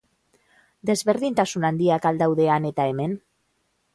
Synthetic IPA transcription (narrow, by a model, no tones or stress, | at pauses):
d̪e̞zβeɾð̞int̪asunand̪iakald̪awðe̞ane̞t̪aemen